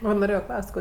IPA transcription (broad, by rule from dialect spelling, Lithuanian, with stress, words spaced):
ˈʋɐ noːˈrʲeːjoː ˈklˠɐʊsʲtʲ ˈkoː